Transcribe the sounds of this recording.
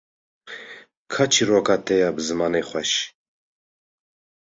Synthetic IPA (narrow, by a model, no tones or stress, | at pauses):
kʰat͡ʃʰirɔkʼat̪ʼɛjabzɨmanɛχʷwɛʃ